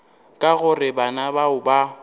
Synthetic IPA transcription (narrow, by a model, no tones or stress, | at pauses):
kʼaɣʊrɪbanabaʊba